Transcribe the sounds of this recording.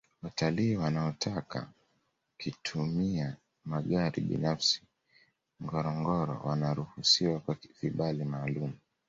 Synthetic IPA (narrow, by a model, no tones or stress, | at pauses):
wataliːwanaɔtʰaka̰ | kitʰumia | maɠaɾḭɓḭnafsi̥ | ŋɡɔɾɔŋɡɔɾɔ̰wa̰naɾuhusiwakwaviɓalimaːlumu